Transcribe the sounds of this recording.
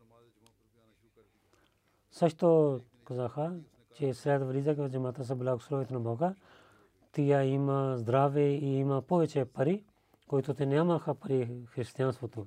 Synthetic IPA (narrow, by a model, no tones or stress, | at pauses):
sɐt͡ʃʰt̪oː | kɐzaːkʰa | t͡ʃeːsɾaːt̪ʋəɾiːzaːked͡ʒemaːt̪aːs̬abɪlaːɡsɾoːʋit̪ʰnãːbʱaːka | t̪ijaːiːmãːzd̪ɾaːʋeiːiːmãːpoːet͡ʃʰepəɾiː | koːit̪oːt̪enamãːkʰaːpəɾiːkʰɾɪst̪jãːnspot̪ũː